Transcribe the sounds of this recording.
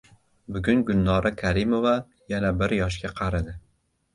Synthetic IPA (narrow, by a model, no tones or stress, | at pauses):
bʊɡʲʊnɡʊlnːɒɾʔakʲʰaɾɪmova | janabɪɾjɒʃ̬kʲaqʰɑɾɪd̪ɪ